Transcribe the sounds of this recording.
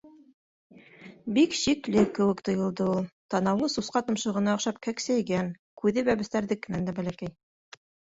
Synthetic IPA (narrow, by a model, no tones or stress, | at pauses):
bikɕiklɘkːɘ̆wɘ̆kt̪ŏjɤ̆lˠd̪ɤulˠt̪ɑnɑw̪ɤsusqɑt̪ɤ̆mʃɤ̆ʁɤ̆nɑŏχʃɑp̚kæksæjɡæŋ | kʉðɘβæβɘ̆st̪æɾðɘkːɘ̆nænd̪æbælækæj